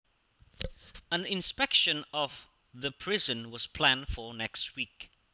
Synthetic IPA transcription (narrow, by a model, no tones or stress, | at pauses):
ə̃nɪ̃nspɛkʃə̃nɔv | ðəpʰɹ̥ɪzə̃nwʌz̥pʰl̥æ̃nfə˞nɛkst̚wik